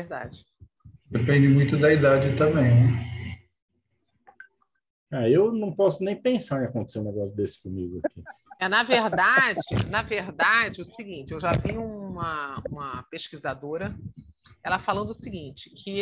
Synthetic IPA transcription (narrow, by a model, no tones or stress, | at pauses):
veɾd̪a̰d͡ʒɪ | d̪epẽnd͡ʒɪmũj̃t̪ʊd̪ɐid̪ad͡ʒɪt̪ɐ̃mbẽj̃nɛ | aewnɐ̃w̃pɔsʊnẽj̃pẽsaɾẽakõt̪e̥seũnɛɡɔsjʊd̪esɪ̥komiɡʊakiɛnɐveɾd̪ad͡ʒɪ̰nɐveɾd̪ad͡ʒɪʊsiɡĩnt͡ʃɪewʒaviũũmɐũmɐpeʃkizad̪oɾɐ | ɛlɐfalɐ̃nd̪ʊʊsiɡĩt͡ʃɪ̥kʰɪ